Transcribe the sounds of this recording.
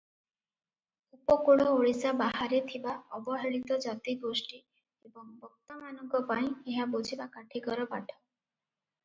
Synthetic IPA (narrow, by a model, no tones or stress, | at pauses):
upɔkuɽɔoɭisabaɦaɾet̪ʰibaɔbɔɦeɭit̪ɔd͡ʒat̪iɡosʈi | ebɔŋbɔk̚t̪ɔmanɔŋkɔpaĩeɦabod͡ʒʱibakaʈʰikɔɾɔbaʈʰɔ̥